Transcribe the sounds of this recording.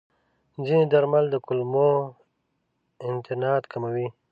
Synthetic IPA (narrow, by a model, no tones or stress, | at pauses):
zined̪aɾmald̪əkʊlmo | ɪnt̪ɪnɑːt̪kʰamawi